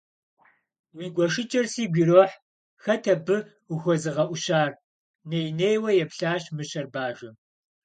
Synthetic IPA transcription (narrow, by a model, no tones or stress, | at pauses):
wiɡʷɔʂɨt͡ʃʼɐrsiːɡʷiːɾoːħ | xɐtʰɐbɨ | uxʷɔzɨʁɐʔʷʊɕaːr | neːjneːjwɐjɛpɬaːɕmɨɕɐrbaːʒɐm